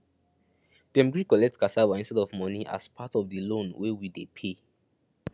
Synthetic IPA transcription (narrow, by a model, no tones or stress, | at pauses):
d̥ɛ̃mɡɹikɔlɛk̚tkasawaĩnstɛdɔvmɔniʔa̰spʰatɔvdəlõnwewidepʰe